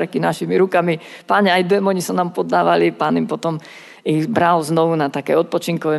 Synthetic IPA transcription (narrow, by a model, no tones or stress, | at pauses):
ɾɛkinaʃimiɾukami | paːɲɛajd̪ɛmɔɲisanaːmpɔd̪ːaːʋalipaːnimpɔt̪ɔm | iɣbɾalznɔʋunat̪akɛ̰ːɔt̪̚pɔt͡ʃiŋkɔʋɛ